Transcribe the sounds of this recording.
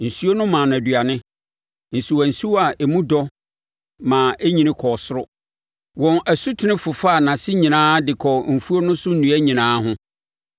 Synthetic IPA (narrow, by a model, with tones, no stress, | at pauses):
n̩˨su˦o˦nʊ̃˦mãː˨n˨ã˨dɥa˨nɪ̃˦ | n̩˨su˨wa˨n̩˨si˦wa˨ʔe˨mũ˦dɔ˦ | mã˨ʔe˦ɲĩ˦nɪ̃˦kʰɔ˨sʊ˦ɾʊ˦ | wɔ̃˨nʔæ˨su˦tʰɪ˨˦nɪ̃˦fʊ˨fa˦˨nã˨sɪ˦ɲĩ˨nãː˦dɪ˨kʰɔ˨m̩˨fu˦o˦nʊ̃˦sʊ˦n̩˦nũ˨˦æ˦ɲĩ˨nãː˦ɦʊ̃˦